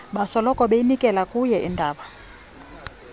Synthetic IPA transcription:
ɓasɔlɔkʼɔɓejinikʼɛlakʼujɛʔindʱaːɓa

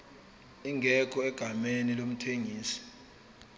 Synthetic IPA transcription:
iŋʱɛk̬ʼɔɛɡ̥ʱamenilom̩tʰeŋiːsi̥

